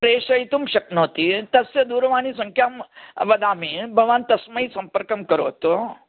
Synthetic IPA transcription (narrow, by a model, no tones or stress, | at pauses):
pɾeːʂɐjt̪umʃɐknot̪it̪ɐsjɐd̪uːɾʋaːnisɐ̃ŋkʰjaːmʋɐd̪aːmibʱɐʋaːnt̪ɐsmɐisɐ̃mpəɾkɐmkɐɾo̰ːt̪o